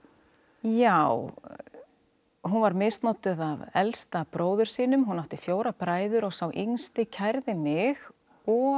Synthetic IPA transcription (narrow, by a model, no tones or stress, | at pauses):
jaw | ɦunvaɾmejst̪nɔwt̪ʏðavɛlst̪apɾoːwðʏɾ̥siːnʏmɦunːawht̪ɪfjoːwɾapɾaːjðʏɾɔɣsawʔiŋst̪ɪcʰajɾðɪmɪɣ | ɔ